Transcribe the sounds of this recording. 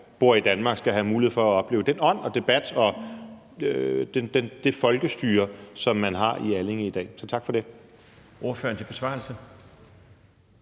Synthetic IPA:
b̥o̝ɐ̰id̥ænmɑ̈ɡ̥sɡ̥æɦæmuːiheð̩̰ˠfɒ̽æɒ̽b̥le̝̰ːʊd̥enɒ̽n̰ɒ̽d̥e̝b̥æd̥ɒ̽ | ød̥ed̥end̥e̝fɒ̽lɡ̥əsd̥yːɐsɒ̽mːænɦɑ̈iæle̝ŋid̥ɛ̰ːsɒ̽t͡sʰɑ̈ɡ̥fɒ̽d̥e̝ | ʔo̝ɐføɐn̩t͡sʰe̝b̥e̝sʋɑ̰̈l̩sə

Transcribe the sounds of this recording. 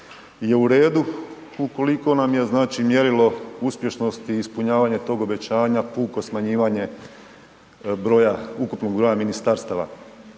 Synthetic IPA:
je̞uɾe̞ːd̪u | uko̞liko̞namje̞znaːt͡ʃimje̞ɾilo̞uspʲje̞ʃno̞st̪iːspuɲaːʋaɲe̞t̪o̞ːɡo̞be̞t͡ɕaːɲapuːko̞smaɲiːʋaɲe̞ | bɾojaukupno̞ɡ̚bɾo̞jaminist̪aɾst̪aʋa̰

